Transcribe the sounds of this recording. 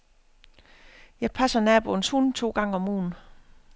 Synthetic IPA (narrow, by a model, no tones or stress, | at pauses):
jɑ̈ɪpʰæsɐnɛb̥onshunt͡sʰo̝̰ːɡ̥ɑ̈ŋ̰əɒ̽mṵːn